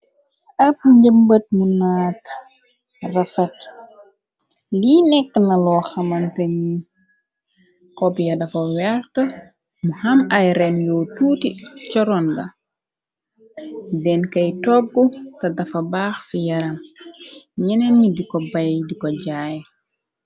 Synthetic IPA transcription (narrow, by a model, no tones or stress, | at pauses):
ʔɐp̚ɲɟəmbət̚munaːt | rɐfɐt | liːnɛkːənɐlɔːxɐmɐntɐɲi | kɔpjɐdɐfɐwɛrtə | muhɐmɐjɾɛnjɔːtuːtit͡ʃɔɾɔnɡɐ | dɛnkɐjtɔɡːutɐdɐfɐbaːxsijɐɾɐm | ɲɛnɛnːidikɔbɐjdikɔɟaːj